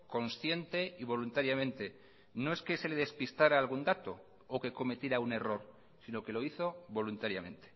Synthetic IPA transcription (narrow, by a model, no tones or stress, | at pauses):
ko̞nsθje̞nt̪e̞iβ̞o̞lunt̪aɾjamẽ̞nt̪e̞ | no̞e̞ske̞se̞le̞ðespist̪aɾaːlɣ̞und̪at̪o̞ | oke̞ko̞me̞t̪jeɾaune̞ro̞ɾ | sino̞ke̞lo̞iθo̞βo̞lunt̪aɾjamẽ̞nt̪e̥